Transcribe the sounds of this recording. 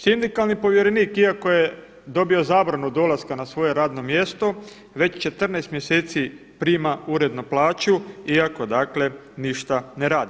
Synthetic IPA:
sind̪ikalˠnipo̞ʋjeɾeniːkiako̞je̞ | d̪o̞bio̞zaːbɾanud̪o̞laskanasʋo̞jeɾaːd̪no̞mje̞st̪o̞ | ʋe̞t͡ɕt͡ʃe̞t̪r̩naest̪mje̞se̞ːt̪si | pɾiːmauɾe̞d̪noplˠaːt͡ɕuiako̞d̪aːkle̞ | niʃt̪aneɾaːd̪i

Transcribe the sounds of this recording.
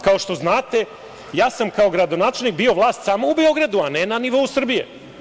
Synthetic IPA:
kao̞ʃt̪o̞znaːt̪e̞ | jaːsamkao̞ɡɾad̪o̞naːt͡ʃelnik̚bio̞ʋlˠaːst̪saːmoubeo̞ɡɾad̪uanenaniʋo̞usr̩bije̞̰

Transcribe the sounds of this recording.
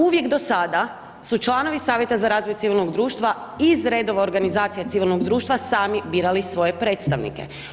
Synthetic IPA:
uʋje̞ɡd̪o̞sad̪a | sut͡ʃlˠano̞ʋisaːʋje̞t̪azaɾaːzvʋo̞jt̪siʋilnoɡd̪ɾuːʃt̪ʋa | izɾe̞d̪o̞ʋao̞ɾɡanizaːt̪sijat̪siʋilˠnoɡd̪ɾuːʃt̪ʋasaːmibiːɾalisʋo̞je̞pɾet̪st̪aʋnḭke̞̰

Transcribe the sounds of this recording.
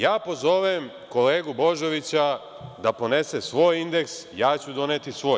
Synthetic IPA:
jaːpo̞zo̞ʋem | ko̞le̞ːɡubo̞ʒo̞ʋit͡ɕa | d̪apo̞ne̞sesʋo̞ːjind̪e̞ksjaːt͡ɕud̪o̞neːt̪isʋo̞ː

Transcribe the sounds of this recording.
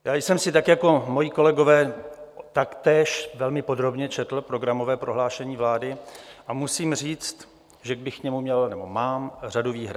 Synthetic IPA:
jaːjsɛmsɪt̪akjako̞mojiko̞lɛɡo̞vɛːt̪akt̪ɛːʃvɛlmɪpo̞d̪ɾo̞bɲɛt͡ʃɛt̪l̩pɾo̞ɡɾamo̞vɛːpɾo̞ɦlaːʃɛɲiːvlaːdɪʔamusiːmr̝iːt͡st̪ | ʒɛɡ̚bɪxkɲɛmumɲɛlnɛbo̞maːmr̝aduviːɦɾa

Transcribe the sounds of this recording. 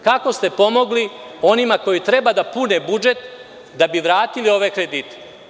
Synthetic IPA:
kako̞st̪e̞po̞mo̞ɡlio̞nimako̞jit̪ɾe̞bad̪apune̞bud͡ʒe̞t̪ | d̪abiʋɾaːt̪ilio̞ʋe̞kɾe̞d̪iːt̪e̥

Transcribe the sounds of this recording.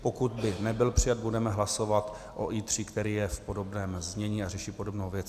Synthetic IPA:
po̞kud̪bɪnɛbɪlpr̥ɪjat̪̚budɛmɛɦlaso̞vat̪ | ʔoʔiːt̪r̝̥ikt̪ɛɾiːjɛfpo̞do̞bnɛːmzɲɛɲiːarɛʃiːpo̞do̞bnowvjɛt͡s

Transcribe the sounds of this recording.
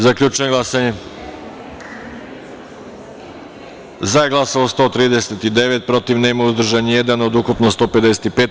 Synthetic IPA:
zakʎʲuːt͡ʃeɲɡlˠasaɲe | zajeɡlˠasalost̪o̞t̪ɾiːd̪eset̪id̪e̞ʋet̪̚pɾo̞t̪iʋneːmauzd̪r̩ʒaɲijed̪anod̪ukupnost̪o̞ːped̪ese̥t̪ipe̞ːt̪

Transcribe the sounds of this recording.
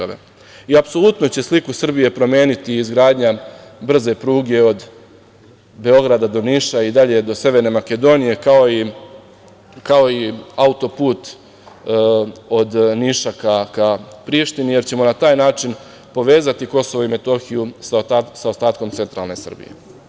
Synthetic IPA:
ḛ | iapso̞lˠut̪no̞t͡ɕe̞slikusr̩bije̞pɾo̞mjeːnit̪iːzɡɾaːd̪ɲabr̩ze̞pɾuːɡe̞o̞d̪ | be̞o̞ɡɾad̪ad̪o̞niʃaid̪aʎe̞d̪o̞se̞ʋe̞ɾne̞make̞d̪o̞nije̞kao̞i | kao̞iaut̪o̞puːt̪ | o̞d̪niʃakakapɾiʃt̪inije̞ɾt͡ɕe̞mo̞nat̪aːjnaːt͡ʃin | po̞ʋe̞ːzat̪iko̞so̞ʋoime̞t̪o̞xijussaost̪aːt̪ko̞mt̪se̞nt̪ɾa̰lˠne̞sr̩bḭjḛ

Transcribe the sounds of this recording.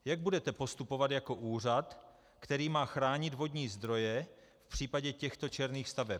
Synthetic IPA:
jaɡ̚budɛt̪ɛpo̞st̪upo̞vat̪jako̞ʔuːr̝at̪ | kt̪ɛɾiːmaːxɾaːɲɪd̪vo̞d̪ɲiːzd̪ɾo̞jɛ | fpr̥iːpaɟɛcɛxt̪o̞t͡ʃɛɾniːxst̪avɛp̚

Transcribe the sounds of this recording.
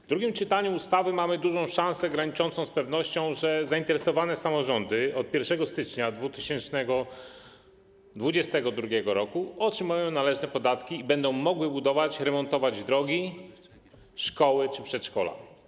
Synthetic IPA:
vd̪ɾuɡʲimt͡ʂɘt̪aɲuːst̪avɘmamɘd̪uʐɔ̃w̃ʂãsɛɡɾaɲit͡ʂɔnt̪sɔ̃w̃spɛvnɔɕt͡ɕɔ̃w̃ʐɛzaint̪ɛɾɛsɔvanɛsamɔʐɔnd̪ɘɔt̪̚pʲjɛɾfʂɛɡɔst̪ɘt͡ʂɲad̪vut̪ɘɕɛnt͡ʂnɛɡɔ | d̪vud͡ʑɛst̪ɛɡɔd̪ɾuɡʲɛɡɔɾɔkuɔtʂɘmujɔ̃w̃nalɛʐnɛpɔd̪at̪kʲiːbɛnd̪ɔ̃w̃mɔɡwɘbud̪ɔvat͡ɕɾɛmɔnt̪ɔvad͡ʑd̪ɾɔɡʲi | ʂkɔwɘt͡ʂɘpʂɛt̪ʂkɔla̰

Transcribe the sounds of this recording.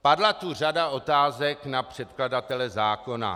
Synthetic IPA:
padlat̪ur̝adaʔo̞t̪aːzɛknapr̝̥ɛt̪kladat̪ɛlɛzaːko̞na̰

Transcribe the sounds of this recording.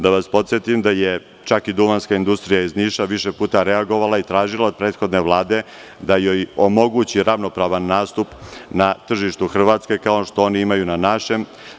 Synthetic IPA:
d̪aʋaspo̞t̪sjet̪imd̪aje | t͡ʃakid̪uʋanskaind̪ust̪ɾijaizniːʃaʋiʃepuːt̪aɾeaɡo̞ʋalait̪ɾaːʒilaod̪pɾeːt̪xo̞d̪ne̞ʋlˠaːd̪e̞ | d̪ajojomo̞ɡut͡ɕiɾʔaʋno̞pɾaʋanːaːst̪upnat̪r̩ʒiʃt̪uxr̩ʋaːt̪ske̞kao̞ʃt̪o̞o̞niimajunanaʃe̞m

